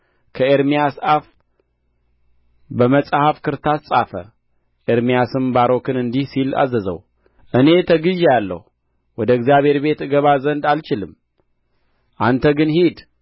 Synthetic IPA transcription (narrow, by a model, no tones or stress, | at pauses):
kʰəeɾmijasaf | bəməsʼhafkʰɨɾt̪ʰassʼafə̰ | ʔeɾmijasɨmbaɾo̞kɨnɨnd̪ihsila̰zəzə̰w | ʔɨne̞t̪ʰəɡɨʒjalːə̰hu | wɔd̪əɨɡzijaβhe̞ɾbe̞t̪ɨɡəβazənd̪alt͡ʃɪlɨm | ʔant̪ʰəɡɨnhid̪